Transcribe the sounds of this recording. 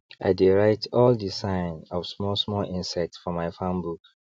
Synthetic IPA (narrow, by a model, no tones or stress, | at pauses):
ʔa̰ɪdeɹaɪtʰɔldisãɪ̃nɔv̥smɔsmɔlĩnsɛk̚tfɔmaɪfãmbuk